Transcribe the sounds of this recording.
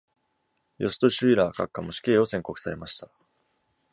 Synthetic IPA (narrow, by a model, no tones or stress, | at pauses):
jʔo̞sɨ̥t̪o̞ɕɨiɾaːkakːamoɕi̥kʲe̞ːo̞sẽ̞ŋko̞kɯ̟̥saɾe̞maɕi̥t̪a